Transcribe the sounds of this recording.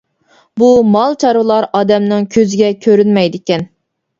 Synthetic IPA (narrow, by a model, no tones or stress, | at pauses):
bumɑlˠt͡ʃʰɑɾɨlˠɑɾɑːd̪ɛmnɪŋkʲʰøzɪɡʲɛkʲʰøɾynmɛjd̪ɪkʲɛn